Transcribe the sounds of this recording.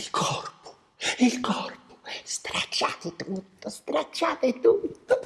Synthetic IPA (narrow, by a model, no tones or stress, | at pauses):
ilkʰɔrpo̥ | ilkɔrpo̥st̪ɾat͡ʃːa̰ːt̪ɪt̪ut̪ːost̪ɾat͡ʃːaːt̪ɪt̪ut̪ːo